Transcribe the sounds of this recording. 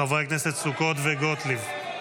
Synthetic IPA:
avʁekneset̪sukot̪veɡot̪liv

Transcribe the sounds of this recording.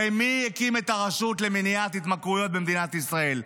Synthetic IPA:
ejmiekimet̪aʁaʃut̪leminiat̪hit̪makʁujo̞t̪̚bemd̪inat̪isʁae̞l

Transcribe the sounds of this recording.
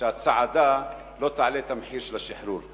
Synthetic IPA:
at͡saʕad̪a | lot̪aʕlet̪amħiɾʃelaʃiħɾul

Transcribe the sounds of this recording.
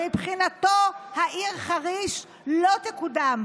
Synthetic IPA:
mipχinat̪ohaʔiʁχaʁiʃ | lo̞t̪ekudam

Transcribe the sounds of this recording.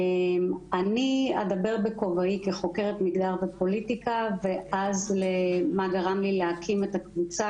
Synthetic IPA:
mania̰d̪abe̞ʁbeko̞vaikeχo̞ke̞ʁet̪miɡd̪aʁvepo̞litikave̞ʔazlemaɡaʁamlileakʰimet̪akvut͡sa

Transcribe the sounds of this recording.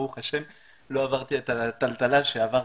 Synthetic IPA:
uχaʃem | lo̞avaʁt̪iet̪at̪alt̪alaʃeava

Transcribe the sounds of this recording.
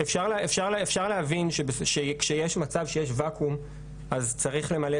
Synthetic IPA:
efʃaʁlefʃaʁlefʃaʁleɦavinʃebesʃekʃejeʃmat͡savʃe̞jeʃvakʰum | azt͡saʁiχle̞male

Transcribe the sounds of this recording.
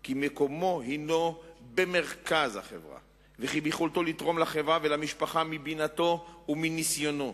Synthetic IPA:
kimeko̞mo̞ɦino̞be̞me̞ʁkazha̰χḛvʁa̰ | veχibiχolt̪olit̪ʁo̞mlaχevʁavelamiʃpaχamibinat̪o̞uminisjo̞no̞

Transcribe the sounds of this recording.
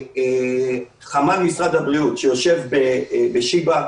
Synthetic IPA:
χamalmisʁad̪habʁiutʃejo̞ʃe̞vbebeʃiba

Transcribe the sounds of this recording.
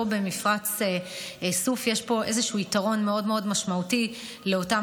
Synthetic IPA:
obe̞mifʁat͡seesufjeʃpo̞ʔe̞zeʃuitaʁo̞nme̞o̞dmeo̞dmaʃmauti | le̞o̞ta

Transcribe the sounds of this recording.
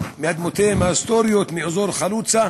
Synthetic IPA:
miad̪mot̪ʰemast̪oɾjot̪miozoɾχaluːt͡sa

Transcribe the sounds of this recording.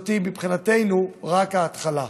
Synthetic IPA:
t̪imipχinate̞jnuʁakaːt̪χala

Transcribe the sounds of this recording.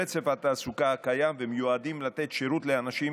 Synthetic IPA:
et͡sevat̪aːsukaakajamvemejuad̪imlat̪e̞t̪ʃeʁut̪le̞anaʃi

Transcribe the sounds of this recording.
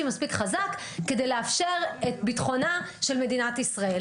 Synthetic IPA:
imaspikχazakː | e̞dejleafʃeʁetbitχo̞naʃe̞lme̞d̪inat̪isʁael

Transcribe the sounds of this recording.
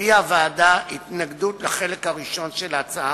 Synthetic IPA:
iavaːdaitnaɡdutlaχe̞lekhaʁiʃo̞nʃelat͡saa

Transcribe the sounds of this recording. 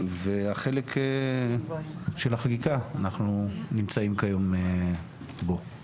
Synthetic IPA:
veaχe̞lekʰe | ʃelaχakikaːnaχnunimt͡saimkajo̞me | bo̞

